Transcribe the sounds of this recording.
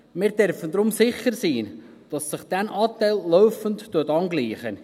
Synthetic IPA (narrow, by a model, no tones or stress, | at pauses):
mɪːɾdɛɾfəndɾʊmsɪχəɾsiː | d̥ɑsːɪχd̥ænʔɑːtæɪllɔʊfənttːuətɑnɡliːχə̰